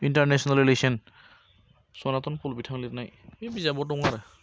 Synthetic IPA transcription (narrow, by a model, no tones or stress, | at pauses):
intaɹnɛsɔnalilesɔn | sɔnat̪ɔnpʰulbitʰaŋlitnajebizabɔtʊŋaɾ